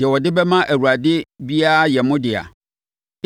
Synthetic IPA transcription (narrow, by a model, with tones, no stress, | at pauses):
ɪ˨ɛ˨wɔ˨dɪ˦bɛ˦mã˦ʔæ˨wu˨ɾa˨dɪ˦bi˦a˦a˦jɛ˨mʊ̃˦dɪ˨a̰˨